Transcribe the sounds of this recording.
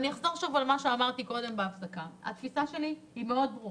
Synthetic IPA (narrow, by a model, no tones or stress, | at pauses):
nieχzoʁʃovalmaʃe̞amaʁt̪iko̞d̪e̞mbeafsakaa̰t̪fisaʃe̞lihime̞o̞d̪̚bʁuʁ